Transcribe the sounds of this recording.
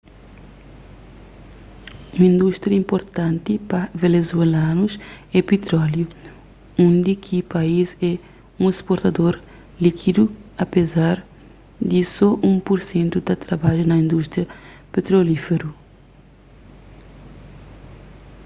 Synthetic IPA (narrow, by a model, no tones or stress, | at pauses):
ũmɐĩnd̪ust̪ɾjɐĩmpoɾt̪ãnt̪ipɐvenezuelãnuzɛpet̪ɾɔlju | õnd̪ikʰipaizɛ | ũespoɾt̪ɐd̪oɾ | likʰid̪uɐpezaɾ | d̪isɔʔũpuɾsẽnt̪ud̪ɐt̪ɾɐbaʒunɐĩnd̪ust̪ɾjɐ | pet̪ɾolifeɾu